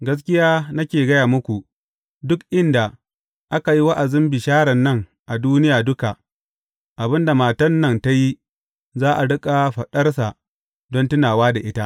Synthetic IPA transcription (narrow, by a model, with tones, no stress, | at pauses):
ɡɐ˦s̬kʲɪ˦jaː˦na˦kʲeː˨ɡɐ˦jaː˨mʊ˦kʷu˨ | dʊ˦kʔɪ˦nda˨ | ʔa˦ka˨ji˦wɐ˦ʔa˨zɪ˦mbɪ˨ʃaː˦ɽɐ˨nːɐ˦˨ŋ | ʔa˨duː˦nɪ˦jaː˨dʊ˦ka˨ | ʔa˨bɪ˦nda˨maː˨tɐ˦nːɐ˦nta˦ji˦ | zaː˦ʔa˨ɽɪ˦kʼa˨ɸɐ˨ɗɐ˦rsa˨ | dɔ˦ntʊ˦naː˨waː˦da˨ʔɪ˦ta˦ʔ